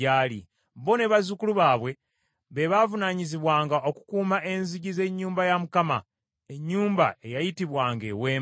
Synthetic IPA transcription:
aːlḭ | βo̞ne̞βazukuluβaːβwe̞ | βe̞βavunaɲiziβwaːŋɡao̞ku̥kuːmaʔe̞nziɟize̞ɲːuːmbajamukama̰ | e̞ɲːuːmba̰e̞jajitiβwaːŋɡe̞̰we̞ː

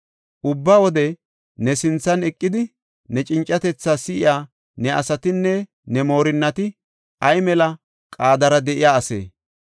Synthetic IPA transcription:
ʔʊbːaːwɔd̪ɛ | nɛsɪnt͡sːɐnɛkʼːɪd̪ɪ | nɛt͡ʃʼɪnt͡ʃʼːɐt̪ɛt͡sːaːsɪʔɪjaː | nɛʔɐ̰sɐt̪ɪnːɛ | nɛmo̞ːɾɪnːɐt̪ɪ | ʔɐjmɛlɐ | kʼaːd̪ɐɾɐd̪ɛʔɪjaːɐsḛː

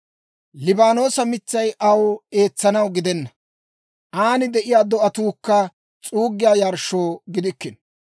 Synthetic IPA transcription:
lɪbaːno̞ːsɐmɪt͡sːɐjʔɐwe̞ːt͡sːɐnɐwɡɪd̪ɛnːɐ | ʔaːnɪd̪ɛʔɪjaːd̪ɔʔɐt̪uːkːɐ | t͡sʼuːɡːɪjaːjɐɾʃo̞ːɡɪd̪ɪkːɪn

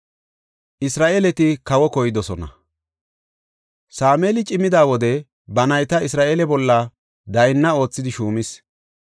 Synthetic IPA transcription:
ʔɪsɾaːʔeːlɛt̪ɪkɐwɔkɔjɪd̪ɔsɔnɐ̰ | saːmeːlɪt͡ʃʼɪmɪd̪aːwɔd̪ɛ | bɐnɐjt̪ɐɪsɾaːʔeːlɛbɔlːɐ | d̪ɐjnːɐo̞ːt͡sːɪd̪ɪʃuːmɪs

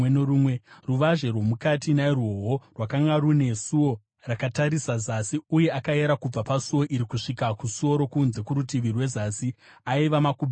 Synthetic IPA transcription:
noɾuːmweruʋaʐe̞rwo̞mukatinairwoɦo̞rwakaŋɡaɾune̞suo̞ | rakataɾisazasiuje̞akaeɾakub͡vapasuwo̞ʔiɾikuʂikakusuo̞ɾo̞kunze̞kuɾutiʋirwe̞zasiaiʋamakub

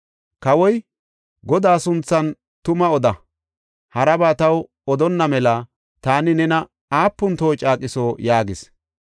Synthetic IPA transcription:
kɐwɔj | ɡɔd̪aːsʊnt͡sːɐn | t̪ʊmɐɔd̪ɐ | hɐɾɐbaːt̪ɐw | ɔd̪ɔnːɐmɛlɐ | t̪aːnɪnɛnɐ | aːpːʊnt̪o̞ːt͡ʃʼaːkʼːɪso̞ːjaːɡɪs

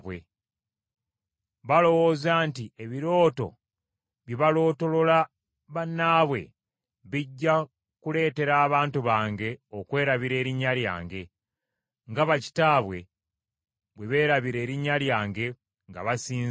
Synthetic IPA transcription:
wḛ | βalo̞wo̞ːzaːntieβiɾo̞ːto̞̰ | βjiβalo̞ːto̞lo̞la | βanːaːβwe̞̰ | βiɟːa | kule̞ːte̞ɾaːβaːntuβaːŋɡe̞okwe̞ːɾaβiɾe̞ːɾiɲːalja̰ːŋɡe̞ | ŋɡaβaci̥taːβwe̞ | βwe̞βe̞ːɾaβiɾe̞ːɾiɲːaljaːŋɡe̞ | ŋɡa̰βasiː

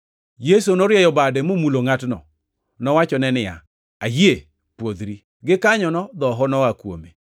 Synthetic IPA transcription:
jes̬onoɾjɛjɔbadɛmomuloŋatnɔ̰ | nɔwat͡ʃɔnɛnɪja̰ | ajje | pwod̪ɾi | ɡɪkaɲɔnɔd̪ɔɦɔnɔakwo̰mḛ

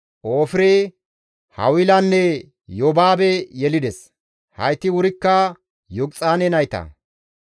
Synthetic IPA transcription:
ʔoːfɪɾe | hɐ̰wɪlɐnːɛ | jɔbaːbɛjɛlɪd̪ɛs | hɐ̰jt̪ɪwʊɾɪkːɐ | jɔɡt͡sʼaːnɛnɐjt̪ɐ̰

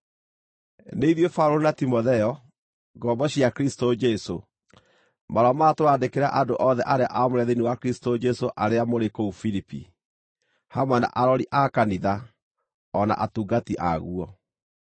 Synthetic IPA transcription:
neiðjofauɾoɾonatimoðɛɔ | ɡɔbɔɕiakeɾistod͡ʒɛso | maɾamaːtoaːdekeɾa̰ʔadoʔɔðɛʔaɾea̰ʔamoɾɛðeniwakeɾistod͡ʒɛsoʔaɾeamoɾekoufiɾipḭ | hamwɛna̰ʔaɾɔɾiʔakaniða | ɔna̰ʔatuːɡatiʔa̰ɣuɔ

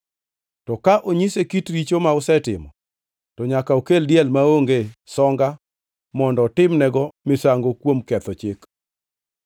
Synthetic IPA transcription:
tɔkaʔoɲisekitɾit͡ʃomaʊsɛtɪ̰mɔ̰ | tɔɲakaokeldjɛlmaoŋɡesɔŋɡa | mɔndɔtɪmnɛɡɔmɪsaŋɡokwomkɛt̪ɔt͡ʃɪk

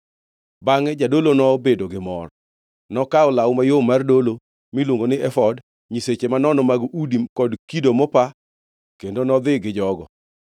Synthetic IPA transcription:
baŋɛd͡ʒadolonɔbedoɡɪmɔ̰r | nɔkaʊlawmajomardolo | mɪlwoŋɡonɪʔɛfɔd | ɲiset͡ʃemanɔnɔmaɡʔudikɔdkidomɔpa | kendonɔd̪ɪɡɪd͡ʒɔɡɔ̰

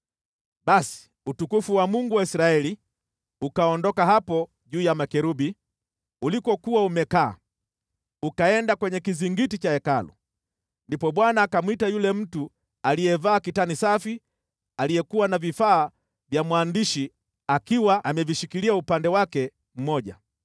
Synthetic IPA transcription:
ɓasi̥ | utukufuwamuŋɡuwaisɾaɛli | ukaɔndɔkaɦapɔ | ʄuːjamakɛɾuɓi | ulikɔkuwaumɛka̰ː | ukaɛndakwɛɲɛkiziŋɡitit͡ʃaɛkalṵ | ndipɔɓwanaːkamwitajulɛm̩tu | alijɛvaːkitanisafi | alijɛkuwanavifaː | vjamwaːndiʃi | akiwaʔamɛviʃikiliaupandɛwakɛ | m̩mɔʄa̰

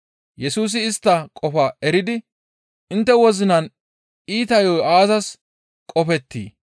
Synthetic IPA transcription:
jɛsuːs̬ɪːst̪ːɐkʼɔfɐɛɾɪd̪ɪ | ɪnt̪ːɛwɔzɪnɐn | iːt̪ɐjɔjʔaːzɐs | kʼɔfɛt̪ːḭː

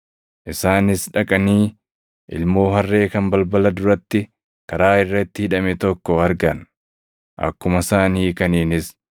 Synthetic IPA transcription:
ʔɪsaːnɪsᶑɐkʼɐniː | ʔɪ̰lmo̞ːɦɐrːe̞ːkɐmbɐlbɐlɐd̪ʊɾɐt̪ːɪ | kɐɾaːɪrːɐɪt̪ːɪhɪᶑɐmɛt̪ɔkːɔɐɾɡɐn | ʔɐ̰kːʊmɐsaːniːkɐniːnɪs

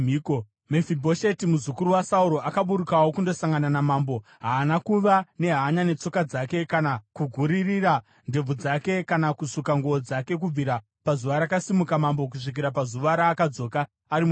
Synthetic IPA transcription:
ko | mefibʱo̞ʃe̞timuzukuɾuwasauɾo̞ʔakaɓuɾukawo̞kundo̞saŋɡananamaːmbo̞ | ɦaːnakuʋane̞ɦaːɲane̞t͡so̞kad͡zake̞kanakuɡʱuɾiriɾa | nde̞b͡vud͡zake̞kanakusukaŋɡood͡zake̞k̬ub͡viɾa | pazuʋaɾakasimukamambo̞k̬uʂik̬iɾapazuʋaɾaːkad͡zo̞ːkaː | ɾim

